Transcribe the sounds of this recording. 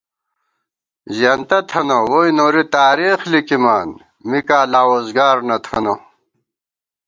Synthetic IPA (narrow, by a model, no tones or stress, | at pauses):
ʑɐnt̪ɐt̪ʰɐnowojnoːɾit̪aːɾiːxlikimaːn | mikaːlaːwozɡaːɾnɐt̪ʰɐno